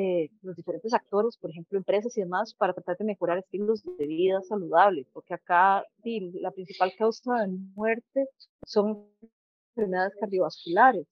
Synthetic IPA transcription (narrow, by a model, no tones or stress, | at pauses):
elozd̪ife̞ɾe̞nt̪esak̚t̪o̞ɾe̞spo̞ɾexe̞mploempɾe̞s̬asiðe̞maspaɾat̪ɾat̪aɾd̪eme̞xoɾaɾest̪iɣlozdeβiðasaluðaβlepo̞ɾkeakad̪ilapɾinsipalkawsaðemwe̞ɾt̪e | so̞ŋ | efeɾmiðaðeskaɾðjo̞βaskulaɾes